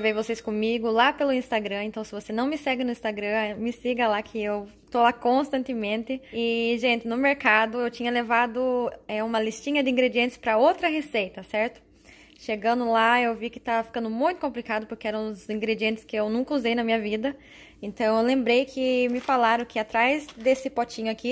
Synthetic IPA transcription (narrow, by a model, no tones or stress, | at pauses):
vejvosejskõmiɡʊlapelʊĩst̪aɡɾɐ̃ẽnt̪ɐ̃w̃sɪvosenɐ̃w̃mɪsɛɡɪnʊĩst̪aɡɾɐ̃mɪsiɡɐlakʰɪew | t̪olakõst̪ɐ̃nt̪ɪmẽnt̪ɪɪʒẽnt̪ɪnʊmeɾkad̪ʊewt͡ʃĩɲɐlevad̪ʊɛũmɐlist͡ʃĩɲɐd̪ɪĩŋɡɾed͡ʒiẽnt̪ɪ̥spɾɐowt̪ɾɐɦesejt̪ɐsɛɾt̪ʊ̥ | ʃeɡɐ̃nd̪ʊlaewvikɪt̪avɐfi̥kɐ̃nd̪ʊmũj̃t̪ʊ̥kõplikad̪ʊpʊɾkeɛɾɐ̃w̃ʊzĩŋɡɾed͡ʒiẽnt̪ɪ̥skɪewnũkɐuzejnɐmĩɲɐvid̪ɐ | ẽnt̪ɐ̃w̃ewlẽmbɾejkʰɪmɪfalaɾɐ̃kʰɪat̪ɾajzd̪esɪpɔt͡ʃĩɲʊaki